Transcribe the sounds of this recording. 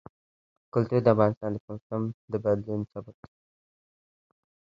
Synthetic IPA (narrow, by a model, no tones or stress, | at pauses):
kʊlt̪uɾd̪əafɣɑnɪst̪ɑ̃nd̪əkasamd̪əbad̪linsabak̚